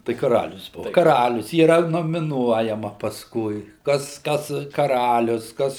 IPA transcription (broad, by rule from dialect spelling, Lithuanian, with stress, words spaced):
tɐɪ kɐˈrɑːlʲʊs oː kɐˈrɑːlʲʊs iːˈrɐ noːmʲɪˈnuɔjɛmɐ pɐsˈkʊɪ ˈkɐs ˈkɐs kɐˈrɑːlʲʊs ˈkɐs